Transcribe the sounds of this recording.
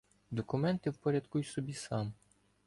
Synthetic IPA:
d̪ɔkʊmɛnt̪ɪwpɔɾʲɐd̪kujsɔbʲisɑm

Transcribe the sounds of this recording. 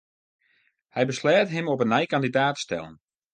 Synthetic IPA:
hɛjbəslɛːtəɦɪmɔpənajkandidaːtstɛ̰lˠə̰n

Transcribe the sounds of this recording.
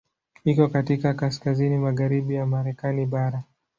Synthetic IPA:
ikɔkatikakaskazinimaɣaɾiɓijamaɾɛkaniɓaɾa

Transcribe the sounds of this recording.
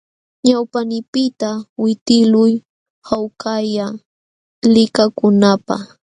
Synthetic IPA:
ɲawpanɪpɪt̪awɪt̪ɪlʊj | hawkaja | lɪkakʊnapa̰χ

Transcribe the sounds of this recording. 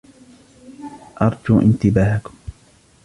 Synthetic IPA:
ʔɑɾˤd͡ʒuːʔɪ̰nt̪ɪbaːhakʊm

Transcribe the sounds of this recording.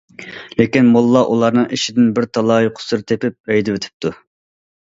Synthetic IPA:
lekʲinmolˠːɑʔulˠɑɾnɨŋʔiʃid̪ɪnbɪɾt̪ʰɑlˠɑːjiqʰʊ̥sɨɾt̪ʰepɪp̚ɛjd̪ɪwet̪ʰɪ̥p̚t̪ʰu

